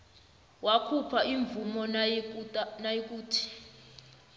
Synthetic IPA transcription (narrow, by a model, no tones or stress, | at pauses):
wakʰupʰaʔiɱb̪vumɔ | najik̬uːtʰi̥